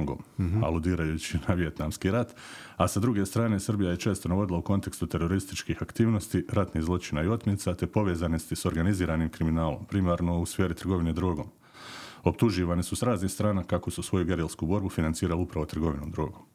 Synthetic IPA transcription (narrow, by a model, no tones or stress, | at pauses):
ŋɡo̰ːma̰lud̪iːɾajut͡ɕinaʋije̞t̪naːmskiɾat̪ | asad̪ɾuɡe̞st̪ɾaːne̞srbijajet͡ʃeːst̪o̞naʋo̞d̪ilˠauko̞nt̪e̞kst̪ut̪e̞ɾo̞ɾist̪it͡ʃkixakt̪iːʋno̞st̪iɾat̪nihzlˠo̞t͡ʃinaio̞t̪mʲet̪sat̪e̞po̞ʋeːzanost̪iso̞ɾɡaniziːɾaːniːmkɾiminaːlo̞̰mpɾimaːɾno̞usfe̞ːɾit̪r̩ɡo̞ʋine̞d̪ɾoɡo̞ːm | o̞pt̪uʒiːʋanisusɾaːznixst̪ɾaːnakako̞susʋo̞juɡe̞ɾelˠskubo̞ɾbufinant̪siːɾaliupɾaʋo̞t̪r̩ɡo̞ʋinoːmd̪ɾo̞ːɡoːm